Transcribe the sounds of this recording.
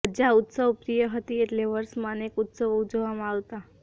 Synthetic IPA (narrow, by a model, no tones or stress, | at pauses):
d͡ʒaut̪səʋpɾijəɦət̪ieʈleʋəɾsmãnekut̪səʋud͡ʒəʋamãaʋt̪a